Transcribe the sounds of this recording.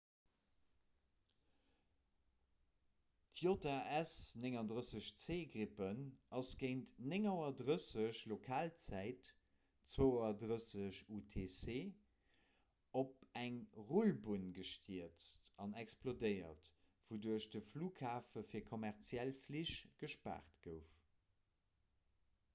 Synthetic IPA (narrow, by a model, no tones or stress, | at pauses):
tʰjotaæsneŋɑndʁəsəɕt͡seːɡʁipənʔɑsɡ̥əɪntneŋɑɐdʁəsəɕlokʰaːlt͡sæɪt | t͡swəʊøɐdʁəsəɕutʰeːseː | op̚æŋʁulbunɡəʃtʰiət͡stɑnɛksplodəɪɐ̰t | vuduɐɕdəfluːkʰaːfəfiːɐkʰomæʁt͡sjælfliʃɡ̥əʃpa̰ːʁtɡ̥əʊf